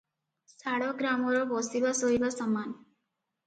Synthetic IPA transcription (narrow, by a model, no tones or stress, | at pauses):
saɽɔɡɾamɔɾɔbɔsibasoɦibasɔman